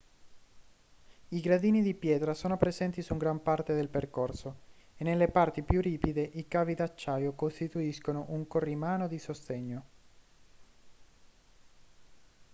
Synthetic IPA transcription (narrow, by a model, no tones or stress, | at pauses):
iɡɾad̪iːnid̪ipjɛːt̪ɾasoːnopɾezɛnt̪isuŋɡɾampart̪ed̪elperkorsoenːelːepart̪ipjuriːpid̪eʔikaːvid̪at͡ʃːaːjokost̪it̪uiskonoʔuŋkorimaːnod̪isost̪eɲːo